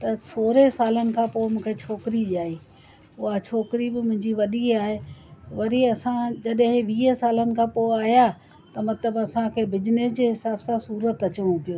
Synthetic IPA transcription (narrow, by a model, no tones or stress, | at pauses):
t̪ɐsoːɾesaːlənɪ̆kʰãːpoːɪmũːkʰet͡ɕʰoːkɪɾiʄaːiː | ʊat͡ɕʰoːkɪɾibɪmʊ̃ɦɪ̃ɲd͡ʑiʋɐɗiaːɦeʋɐɾiɐsãd͡ʑɐɗɦeʋiːəsaːlənɪ̆kʰãːpoɪaːɦja | t̪ɐmɐt̪ləbɐsãkʰeːbɪd͡ʑɪnesd͡ʑeɦɪsaːbsãsuːɾət̪ɐt͡ɕəʋ̃ũpijoː